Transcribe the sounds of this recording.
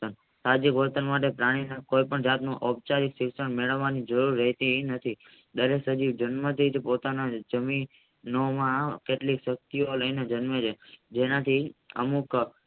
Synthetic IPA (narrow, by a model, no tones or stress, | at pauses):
ən | sad͡ʒikʋəɾt̪ənmaʈ̬epɾaɽ̃inakoipəɳd͡ʒat̪nũʔəb̚t͡ʃaɾiksiʋsəɳmeɭəʋːanid͡ʒəɾuɾːəɦt̪inət̪ʰi | d̪əɾeksəd͡ʒiʋd͡ʒənmət̪ʰid͡ʒpot̪anad͡ʒəmi | nomãkeʈlikʃək̚t̪ioləined͡ʒənməd͡ʒʰed͡ʒenat̪ʰiə̰muk